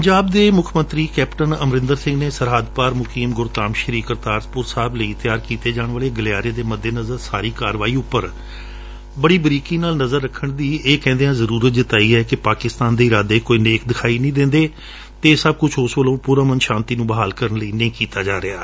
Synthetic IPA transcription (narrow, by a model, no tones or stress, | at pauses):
pəɲd͡ʒaːbd̪eːmʊkʰmə̃nt̪ɾiːkɛːpʈənəmɾɪ̃nd̪əɾsɪ̃ŋɡneːsəɾɦaːd̪paːɾmʊkiːmɡʊɾt̪aːmʃəɾiːkəɾt̪aːɾspʊɾsaːbləiːt̪ɪjaːɾkiːt̪eːd͡ʒaːɳ̃ʋəːleːɡəlɪaːɾeːd̪eːməd̪ʱːeːnəzəɾsaːɾiːkaːɾʋaːiːʊpːəɾ | bəɽiːbəɾiːkiːnaːlnəzəɾːəkʰːəɳd̪iːeːkɛ̃ːnd̪eːãːzəɾuːɾət̪̚d͡ʒɪt̪aːiːɛːkɪpaːkɪst̪aːnd̪eːɪɾaːd̪eːkoːiːneːkd̪ɪkʰaːiːnĩːd̪ɪ̃nd̪eː | t̪eːsəb̚kʊt͡ʃʰʊsʋəlõːpuːɾaːmənʃãːnt̪iːnũːbəɦaːlkəɾənləiːnẽiːkiːt̪aːd͡ʒaːɾɪaː